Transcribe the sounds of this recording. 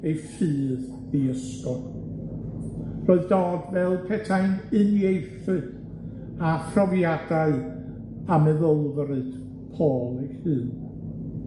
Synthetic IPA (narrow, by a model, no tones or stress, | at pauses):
ejfɨːð | iəskɔ | roːɨðdɔːdvɛlˠpʰɛtʰajnɨnjejθɨd̥ | apʰrɔvjadaɨ | amɛðəlˠvɾɨd̥ | pʰoːlˠihɨːn